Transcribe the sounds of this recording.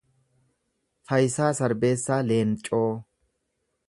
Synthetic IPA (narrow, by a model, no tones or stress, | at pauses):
fɐjsaːsɐɾbe̞ːsːaːle̞ːnt͡ʃʼːoː